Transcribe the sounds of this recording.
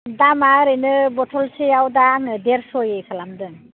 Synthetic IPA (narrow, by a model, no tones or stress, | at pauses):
damaɾɯjnɯbɔtʰɔlsejawdaŋɯdeɾsɔjejkʰalamdɯŋ